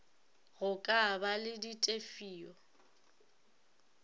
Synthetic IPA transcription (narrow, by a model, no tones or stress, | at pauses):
ɣʊkʼabalɪditʼefiːɔ